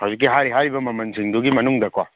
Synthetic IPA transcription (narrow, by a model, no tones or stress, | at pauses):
hɐwzik̬ːiɦaɾiɦaɾibɐmɐmɐnsʰiŋduɡimɐnuŋdɐkwa